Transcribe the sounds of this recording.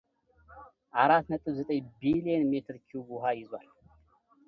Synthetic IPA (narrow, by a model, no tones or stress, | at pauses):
ʔaɾat̪nət̪ʼɨβzət̪ʼəjbilienmet̪ʰɨɾkʰiubuɦajɪzwal